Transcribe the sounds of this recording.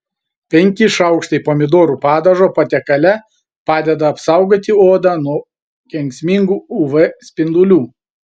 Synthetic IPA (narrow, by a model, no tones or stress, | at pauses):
pʲɛŋʲkʲɪʃɐʊkʃt̪ɐɪpoːmʲɪd̪oːɾuːpɑːd̪ɐʒoːpɐt̪ʲɛkɐlʲɛ | pɑːd̪ʲɛd̪ɐɐpsɑˑʊɡoːt̪ʲɪoːd̪ɑːnuɔ | kʲɛŋʲksʲmʲɪŋɡuːʊʋɛsʲpʲɪnd̪ʊlʲuː